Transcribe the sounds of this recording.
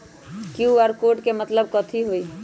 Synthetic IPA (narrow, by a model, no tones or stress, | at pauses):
kiuaɾkoʈkemət̪ləb̚kət̪ʰiɦoi